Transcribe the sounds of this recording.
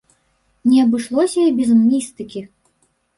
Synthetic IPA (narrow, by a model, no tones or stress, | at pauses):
nʲɛɐbɨʂlˠɔsʲɐibʲɛzɐnmʲist̪ɨkʲi